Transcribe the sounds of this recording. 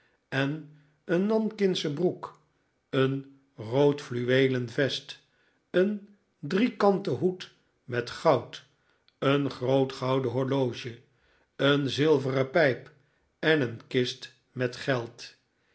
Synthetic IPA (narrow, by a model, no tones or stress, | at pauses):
ɛn | ənːɑnkɪnsəbruk | ən | rowtflyʋejlənvɛst | ən | drikɑntəɦut | mɛtχɑwt | ənχrowtχɑwdəɦɔɹlowʒə | ənzɪlˠvərəpɛjp | ɛnənkɪst | mɛtχɛlˠt